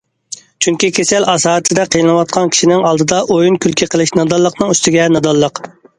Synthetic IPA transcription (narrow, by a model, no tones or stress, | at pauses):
t͡ʃʰyŋkʲikʲʰesɛlɑsɑːt̪ʰɪd̪ɛqʰəjlɨnwɑt̪̚qʰɑnkʲʰi̥ʃinɪŋɑlˠd̪ɨd̪ɑʔojunkʲʰylkʲʰiqʰəlˠɪʃnɑd̪ɑlˠːəqnɨŋyst̪ɪɡʲɛnɑd̪ɑlˠːəq